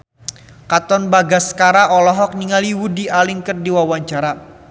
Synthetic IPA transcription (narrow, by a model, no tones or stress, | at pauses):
kat̪ɔnbaɡasə̥kaɾaʔɔlɔɦɔk̚niŋaliwudialiŋkərdiwawaɲt͡ʃaɾa